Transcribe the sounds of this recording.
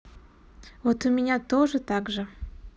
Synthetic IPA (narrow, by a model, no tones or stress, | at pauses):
vot̪ʊmʲɪnʲat̪oʐɨt̪aɡʐɨ